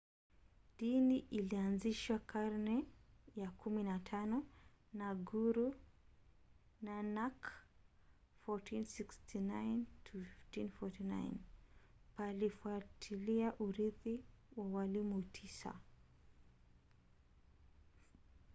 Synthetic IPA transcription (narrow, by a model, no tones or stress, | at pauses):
diniʔilianziʃwakʰaɾnɛjakʰuminatʰanɔ | naɡuɾu | nanak | fɔtʰinsikstʰinajntʰufiftinfɔtina̰jn | palifuatʰiliaʔuɾiðiwawalimutʰisa̰